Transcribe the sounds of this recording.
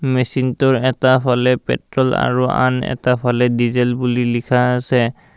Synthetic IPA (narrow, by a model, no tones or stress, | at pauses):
mesintʊɹɛtapʰalɛpɛ̰tɹɔla̰ɹua̰nɛ̰tapʰalɛdizɛlbulilikʰaːsɛ